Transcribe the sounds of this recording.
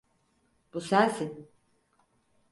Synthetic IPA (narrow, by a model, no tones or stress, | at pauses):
b̥usælsin